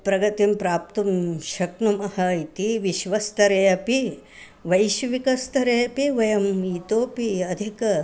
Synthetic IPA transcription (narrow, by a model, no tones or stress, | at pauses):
pɾɐɡɐt̪impɾaːp̚t̪umʃɐknumɐhɐit̪iʋiʃʋɐst̪ʰɐɾeːjɐpi | ʋɐjʃʋikɐst̪ʰɐɾeːjɐpiʋɐjɐmit̪oːpiɐd̪ʱikɐ